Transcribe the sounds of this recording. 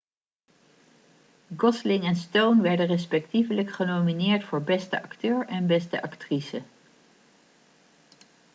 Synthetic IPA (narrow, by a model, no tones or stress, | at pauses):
ɡɔslɪŋɛnstownʋɛɹdərɛs̬pɛktivələkχənowminɪːɹtfʊːɹbɛstəʔɑktøːɹɛnbɛstəʔɑktrisə